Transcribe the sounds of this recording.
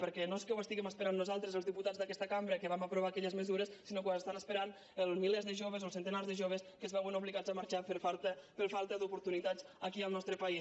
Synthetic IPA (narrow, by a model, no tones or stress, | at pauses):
pəɾkɛnoskɛwəst̪iɣɛməspəɾanːuzalˠt̪ɾəzəlˠzðiput̪ad͡zðəkɛst̪əkambɾəkəβaməpɾuβ̞akɛʎəzməzuɾəssinokwanəst̪anəspəɾan | əlˠmilezðəʒoβəzolˠsənt̪ənarzðəʒoβ̞əskəzβɛwənuβliɣazəmaɾt͡ʃafəɾfalˠt̪əpəɾfalˠt̪əd̪upuɾt̪unit̪azəkiəlˠnɔst̪ɾəpai